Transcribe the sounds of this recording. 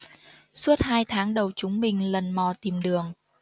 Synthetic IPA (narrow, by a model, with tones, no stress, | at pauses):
su˦˥ət̚haː˧jt̪ʰaː˨˦ŋɗə˨˩wt͡ɕʊ˨˦ŋ͡mmï˨˩ŋ̟lə˨˩nmɔ˨˩t̪i˨˩mɗɨ˨˩əŋ